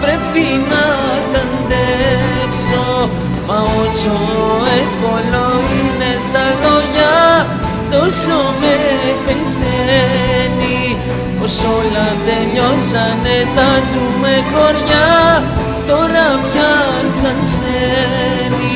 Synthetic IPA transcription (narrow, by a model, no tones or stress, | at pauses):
pɾepina | land̪e | kso | maoso | ekoloinest̪aɣoja | t̪osomepe | d̪e | ni | poɾsolad̪eʎosanet̪azumekoɾja | t̪oɾabja | sanse | ni